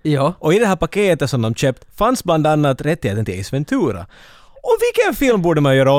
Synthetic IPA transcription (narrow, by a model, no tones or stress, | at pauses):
jɑːʔɔɪd̪ɛɦæːɾpakeːt̪ət̪sɔmd̪ɔmɕøːp̚t̪fansbland̪anːat̪ɾɛt̪ːɪheːt̪ənt̪ʰɪlɛsvɛnt̪ʰʉːɾa̰ | ɔmvɪlkənfɪlmbuːɖəmanjœːɾaɔ